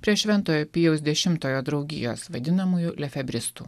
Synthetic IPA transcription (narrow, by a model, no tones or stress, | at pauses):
pʲɾʲiɛʃʲʋʲɛnˑt̪oːjoːpʲijɛʊs̬ʲd̪ʲɛʃʲɪmt̪oːjoːd̪ɾɐʊɡʲɪ̰joːsʋɐd̪ʲɪnɐmuːjulʲɛfʲɛbʲɾʲɪst̪ṵː